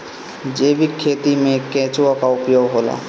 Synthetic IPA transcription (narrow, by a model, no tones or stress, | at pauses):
d͡ʒeːbikʰːeːt̪imẽkɛ̃ːt͡ʃõkaʊpjoːɡɦoːla̰ː